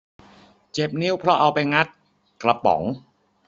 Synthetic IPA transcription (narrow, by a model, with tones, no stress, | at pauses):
t͡ɕe˨˩p̚ni˦˥˨wpʰɾɔ˦˥ʔa˧wpa˧jŋa˦˥t̪̚ | kla˧pɔ̰˩˦ŋ